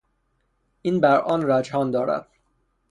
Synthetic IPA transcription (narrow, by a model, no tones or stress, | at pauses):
ʔiːnbæɾʔɒːnɾæd͡ʒhɒːnd̪ɒːɾæ̰d̪̥